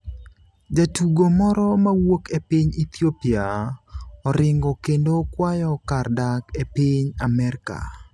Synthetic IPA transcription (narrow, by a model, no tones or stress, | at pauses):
d͡ʒatuɡomɔɾɔmawokepiɲit̪jopia | ɔɾɪŋɡɔkendokwajɔkardakepiɲamɛɾka̰